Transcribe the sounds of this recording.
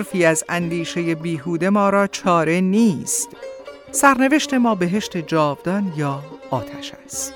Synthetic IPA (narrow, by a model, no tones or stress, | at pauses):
ɾfiːæzænd̪iːʃe̞je̞biːɦuːd̪e̞mɒːɾɒːt͡ʃʰɒːɾe̞niːst̪ | sæɾne̞ve̞ʃt̪e̞mɒːbe̞ɦe̞ʃt̪e̞d͡ʒɒːvd̪ɒːnjɒːt̪ʰæʃæst̪